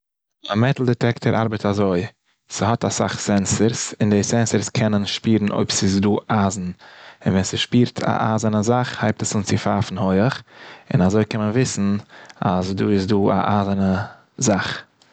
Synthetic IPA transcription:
amɛtl̩ˠdɛtɛktʰəɾʔa̰ɾbətazoɪ | səhɔtasa̰χsɛnsəɾsɪndesɛnsəɾskʰɛnənʃpiːɾn̩ʔo̰ɪbsɪs̬duːʔaːzn̩ɪ̰nvɛnsəʃpiːɾtʰa̰ʔa̰ːzənəzaχhaɪp̚təsɪnt͡sɪfaːfn̩hoɪəχɪ̰nazoɪkɛnmənvɪsn̩a̰zduːɪs̬duːa̰ʔaːzənə | zaχ

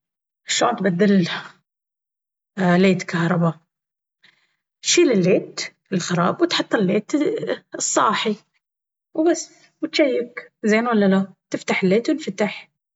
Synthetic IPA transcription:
ʔɪʃːo̰ːnt̪bad̪ːɪl | leːt̪kahɾˤɑba | ʃiːlɪlːeːt̪ | ɪlxɑɾˤɑ̰ːbwt̪ħɑt̪ˤːɪlːeːt̪ɨsˤːɑːħi | wbasː | wɪt̪ʃajːɪkzeːnwalːalat̪ɪft̪aħɪlːeːt̪wnfat̪aħ

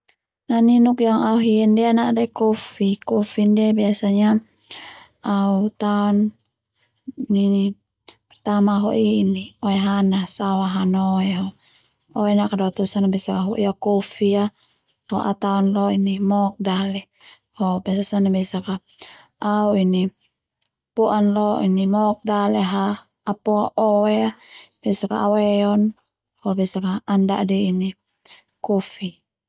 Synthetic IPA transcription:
naninukjaŋauɦiɛndɛanaʔdaikɔfikɔfindɛbiasaɲa | aut̪aɔn | ini | pɛrt̪amaɦɔʔiiniɔɛɦanasawaɦanɔɛɦɔ | ɔɛnakadɔt̪ɔsɔnabɛsakaɦɔ̰ʔiakɔfia | lɔʔa̰t̪aɔnlɔinimɔk̚dalɛ | hɔbɛsasɔnabɛsaka | ʔauini | pɔʔanlɔḭnimɔk̚dalɛɦaː | pɔaʔɔɛab̥ɛsaka̰awɛɔn | hɔbɛsakaanda̰ʔdɛini | kɔfi

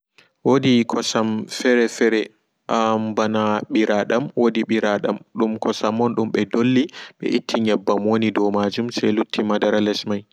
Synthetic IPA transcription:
wodikʰɔsamfɛɾɛfɛɾɛ | ʔambanaɓiɾaɗamwodiɓiɾaɗa̰mɗumkɔsamːɔnɗumɓɛdolːiɓɛ̰ʔitʰːiɲɛbːamwonidɔmad͡ʒumsɛjlutʰːimadaɾalɛsmaj

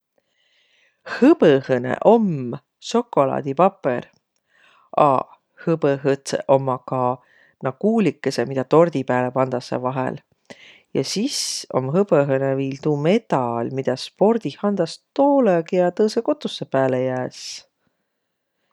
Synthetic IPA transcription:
hɯbəhɤnḛʔo̞m | so̞kːo̞lɑ̰ːd̪̥ipɑpːḛr | ɑ̰ | hɯbəɦɤt̪sḛʔo̞mːɑkɑ | nɑkuːlikːˑese̞mid̪̥ɑt̪o̞rd̪̥ipæːlepɑnd̪̥ɑsːḛvɑɦḛl | jɑ̰siso̞̰mɦɤbəɦɤneviːlt̪ume̞t̪ɑlmid̪̥ɑspo̞rd̪̥ihɑnd̪̥ɑst̪o̞ːlekiɑt̪ɤːseko̞t̪ːˑusːe̞pæːlejæːs

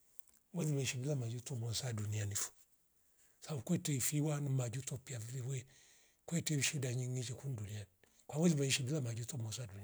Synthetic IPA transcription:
wɛzimɛiʃibilamad͡ʒutɔmɔsadunianifu̥ | saukwɛtɛifiwanimad͡ʒutɔpiaviwɛ | kwɛtɛʃidaɲiŋɡit͡ʃɛkunduniani | kwawɛzimaiʃibilamad͡ʒutɔmɔsaduni

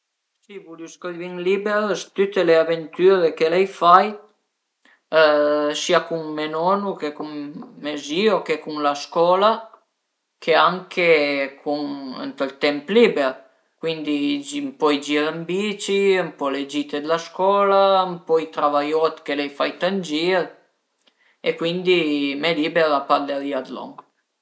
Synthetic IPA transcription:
sivulyskɔlviŋlibeɾst̪yt̪eleavent̪yɾekelɛjfaj | siakuŋmenɔnukekuŋːeziokekuŋlaskɔla | kʰeaŋkʰekʰuŋə̰nt̪ɔlt̪ɛmplibeɾ | kwind̪id͡ʒimpɔjd͡ʒiɾambit͡ʃiəmpɔled͡ʒit̪ed̪laskɔlampɔit̪ɾavajɔt̪kelɛjfajt̪and͡ʒiɾ | ekwind̪imelibeɾapaɾd̪aliad̪lɔ̰ŋ

